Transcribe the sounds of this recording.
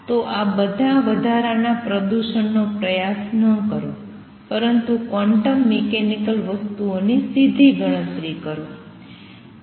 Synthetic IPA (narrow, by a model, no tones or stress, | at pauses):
t̪oʔabəd̪ʱaʋəd̪ʱaɾanapɾəd̪uʃənːopɾəjasnəkəɾo | pəɾənt̪ukʋɔɳʈəmːekenikəlʋəst̪uonisid̪ʱiɡəɭ̃ət̪ɾikəɾo